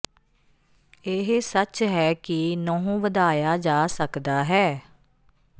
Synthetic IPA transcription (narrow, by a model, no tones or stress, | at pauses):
eɦsət͡ʃɦɛːkɪnɔ̃ːɦũːʋəd̪aːjaːd͡ʒaːsəkd̪aːɦɛː